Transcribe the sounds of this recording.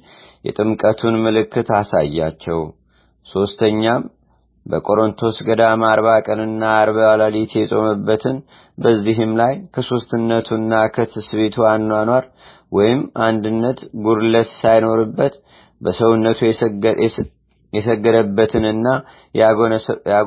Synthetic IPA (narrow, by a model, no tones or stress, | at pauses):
jɛ̰t̪ʼɨmkʼət̪ʰunmɨlɨkʰːɨt̪asa̰jːa̰t͡ʃːɛw | so̞st̪ʰəɲːam | bəkʼo̞ɾo̞nt̪ʰo̞sɡəd̪amaɾβakʼənɨnːaːɾβaalalit̪ʰjɛsʼo̞̰mɨbːət̪ʰɨn | bəzːiɦɨmlajkʰəso̞st̪ɨnːət̪ʰunːakʰət̪ʰɨsβet̪ʰuanːanwaɾ | wɔjɪmʔand̪ɨnːət̪ɡuɾlət̪sajno̞ɾɨbːət̪ | bəsəwunːət̪ʰu | jɛsəɡːəd̪əbːət̪ʰɨnɨnːa | a